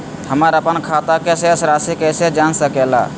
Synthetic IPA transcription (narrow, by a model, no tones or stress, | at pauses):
həməɾəpənkʰat̪akesesɾasikɛsed͡ʒansəkɛla̰